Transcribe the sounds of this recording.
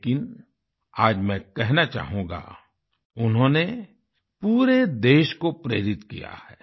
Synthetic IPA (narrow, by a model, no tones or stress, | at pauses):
kɪn | aːd͡ʒmɛ̃kɛɦnat͡ʃa̰ːɦũːɡa̰ | ʊnɦõːne | puːɾed̪eːʃkopɾḛːɾɪt̪kḭja̰hɛː